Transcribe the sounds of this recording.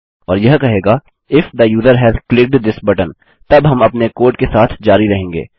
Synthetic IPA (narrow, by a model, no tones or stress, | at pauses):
ɔːɾjɐɦkɐɦeːɡa | ɪfd̪əjuːd̪əɾɦɛːzklɪk̚ɖd̪ɪsbɐʈə̃n | t̪ɐbɦɐ̃mɐpnekoːɾʈkesaːt̪ʰd͡ʒaːɾiɾɐɦẽːŋɡḛː